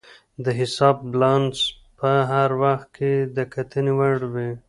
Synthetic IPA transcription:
d̪əɦɪsɑb̚blɑns | pəɦaɾwaxt̪̚kʰed̪əkʰat̪ʰənewaɽwe

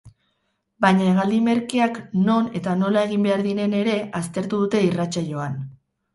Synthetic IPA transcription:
bajɲaeɣ̞ald̪ime̞ɾkiakno̞ne̞t̪ano̞lae̞ɣ̞imbe̞aɾðine̞ne̞ɾe̞ast̪e̞ɾt̪uðut̪e̞irat͡saʎo̞an

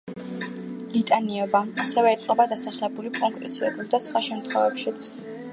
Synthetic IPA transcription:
lit̪ʼaniɔbaasɛvɛːt̪sʼqʼɔbad̪asaχlɛbulipʼɔŋkʼɾɛsiɾɛbuld̪asχwaʃɛmt̪ʰχwɔvɛpʃit̪sʰ

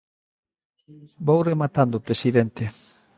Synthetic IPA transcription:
bowremat̪and̪ʊpɾesiðɛnt̪ɪ

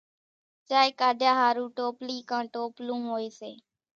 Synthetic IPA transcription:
t͡ʃaːekaːɖʱjaːɦaːɾũːʈoːpliːkãːʈoːplũːmɦoːiːseː

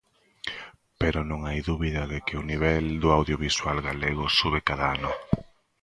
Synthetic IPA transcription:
peɾonõŋajðuβiðɐðɪkɪʊniβɛld̪oawðjoβiswalɣaleɣʊsuβekaðaanʊ

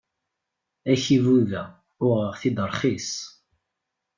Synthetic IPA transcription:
æçivuðæ | ʊʁəʁθid̪əɾˤχis

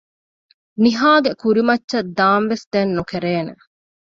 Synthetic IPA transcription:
niɦaːɡekuɾimɐtːʃɐd̪aːmʋesd̪enːukeɾeːnḛ

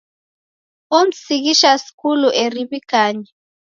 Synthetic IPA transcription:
om̩sik̬iʃasi̥kuluʔeriβikaːɲɛ

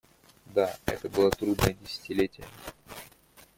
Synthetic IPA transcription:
d̪aɛ̰t̪əbɨlˠət̪ɾud̪nəjədʲɪsʲɪ̥tʲɪlʲetʲɪjə

